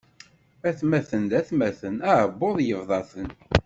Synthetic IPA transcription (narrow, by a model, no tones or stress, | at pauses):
æθmæθənd̪æθmæθənæʕəbːoðˤjəvðˤɑθən